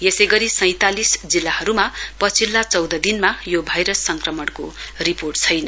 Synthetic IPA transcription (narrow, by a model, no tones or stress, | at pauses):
jesʌjɡʌɾisʌj̃t̪alisd͡zilːahʌɾumapʌt͡sʰilːat͡sʌwd̪ʌd̪inmajobʱajɾʌsːʌŋkrʌmʌɽko̰riporʈt͡sʰʌjnʌ